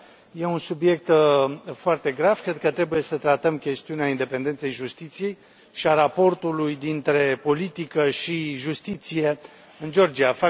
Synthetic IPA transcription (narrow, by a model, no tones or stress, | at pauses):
je̞unsubje̞k̚t̪foart̪e̞ɡɾavkɾe̞d̪̚kət̪ɾe̞buje̞sət̪ɾat̪əmkʲe̞st̪iuneaind̪epend̪e̞nt̪se̞jʒust̪it̪sije̞j | ʃiaɾapo̞rt̪ulujd̪int̪ɾe̞po̞lit̪ikəʃiʒust̪it̪sije̞ | ɨnd͡ʒo̞rd͡ʒiafa